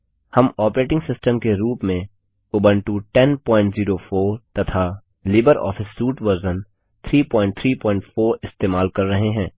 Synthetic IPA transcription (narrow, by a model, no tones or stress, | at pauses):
hɐmɔːpɾeːʈɪ̃ŋɡsɪsʈəmkeɾuːpmẽ | ʊːbənʈuʈɛnpɔ̃ːɪ̃ɳʈziːɾofoːɾt̪ɐt̪ʰa | lɪːbəɾɔ̰ːfʰɪsːuːʈʋəɾzən | t̪ʰɾiːpɔ̃ːɪ̃ɳʈ̚t̪ʰɾiːpɔ̃ːɪ̃ɳʈfoːɾɪst̪eːmaːlkɐɾːɐɦeɦɛ̃ː